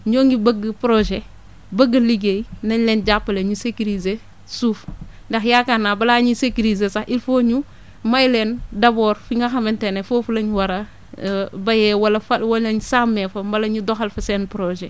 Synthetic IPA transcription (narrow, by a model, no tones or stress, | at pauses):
ɲoːŋɡibəɡɐpɾoʒe | bɐɡːɐliɡejnɐɲlɛnɟapːɐleɲusekiɾize | suːf | ndɐxjakanːaːbɐlaːɲisekiɾizesɐxʔilfoːɲu | mɐjlɛndɐbɔːɾfiŋɡɐxɐmɛntɛnefoːfulɐɲwɐɾɐ | bɐjɛwɐlɐfɐwɐɐɲsamːefɐmbɐlɐɲudɔxɐlfɐsɛnpɾoʒe